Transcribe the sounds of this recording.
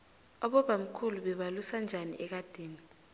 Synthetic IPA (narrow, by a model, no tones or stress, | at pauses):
ɔɓɔɓam̩kʰuluɓɛɓalusand͡ʒʱanḭʔɛk̬ad̥ʱeːni